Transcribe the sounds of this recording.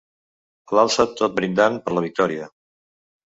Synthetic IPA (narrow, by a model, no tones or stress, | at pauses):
əlalˠsət̪ot̪̚bɾind̪anpəɾləβik̚t̪ɔɾiə